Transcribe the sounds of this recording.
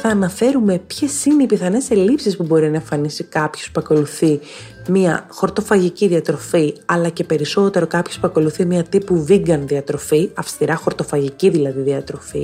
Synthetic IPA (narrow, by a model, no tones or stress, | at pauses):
θɐːnɐfe̞ɾume̞pçe̞sineipiθɐne̞se̞lipsispubo̞ɾinɐeɱfɐnisikɐpçospuɐko̞luθi | miɐxo̞ɾt̪o̞fɐʝiciðiɐt̪ɾo̞fiɐlɐce̞pe̞ɾiso̞t̪e̞ɾo̞kɐpçospuɐko̞luθimɲɐt̪ipuviŋɡɐnðiɐt̪ɾo̞fiɐfst̪iɾɐxo̞ɾt̪o̞fɐʝiciðilɐðiðiɐt̪ɾo̞fḭ